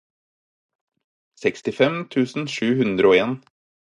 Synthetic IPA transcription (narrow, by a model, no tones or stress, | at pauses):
sɛkst̪ɪfɛmt̪ʰʉːsn̩ʃʉːhʉnd̪ɾəoːeːn